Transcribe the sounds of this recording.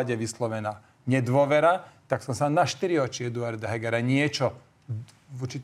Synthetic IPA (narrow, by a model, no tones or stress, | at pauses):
aɟɛʋislɔʋɛnaː | ɲɛd̪ʋʊɔʋɛɾat̪aksɔmsanaʃt̪iɾiɔt͡ʃɪɛd̪uaɾd̪aɦɛɡɛɾaɲɪɛt͡ʃɔ | uɾt͡ʃi